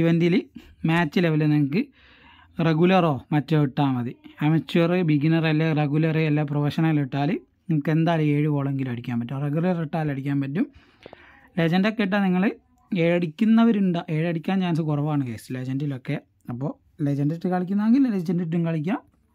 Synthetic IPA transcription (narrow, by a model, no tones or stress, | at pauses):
iʋɐndilɨmaːt͡ɕːileʋɐleniŋɐkːɨ | reɣulɐro̞ːmɐtːoiʈːaːmɐðɨɐmɐt͡ɕːurɨbiɡinɐrɐlːɐreɣulɐreelːaproʋɐʂɐnɐŋiliʈːaːlɨ | nimukːend̪aːlie̞ːɻipo̞ːɭeŋɡilmɐɽikʲːaːmpɐtːumreɣjulɐriʈːaːlɐɽikʲːaːnpɐt̬ːum | led͡ʑɐndokːeiʈːaniŋːɐɭɨ | eːɻɐɽikʲːunːɐʋɐɾuɳɖaʔe̞ːɻɐɽikʲːaːnd͡ʑaːns̬ɨkurɐʋaːɳɨke̞̰ːsled͡ʑɐndilo̞kːe | ɐpːo̞ː | led͡ʑɐndɐtːɨkaɭikʲːunːɐeŋɡilled͡ʑɐndit̬ːumkɐɭik̬ʲːa